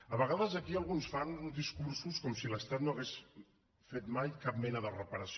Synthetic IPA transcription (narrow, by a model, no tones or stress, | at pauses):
əβəɣaðəzəkiəlˠɣunsfand̪iskuɾsuskɔmsiləst̪at̪noɐɣes | fet̪majkap̚mɛnəðərəpəɾəs